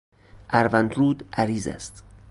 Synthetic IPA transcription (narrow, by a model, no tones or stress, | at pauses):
ʔæɾvænt̪ɾuːd̪ʔæɾiːzæ̰st̪